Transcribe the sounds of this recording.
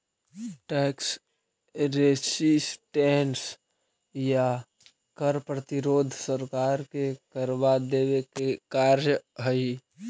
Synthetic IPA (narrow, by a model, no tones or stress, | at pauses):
ʈɛːks | ɾesisʈɛɳs | ja | kəɾpɾət̪iɾoːd̪ʱsəɾkaːɾkekəɾbad̪ewekekaɾjəɦəi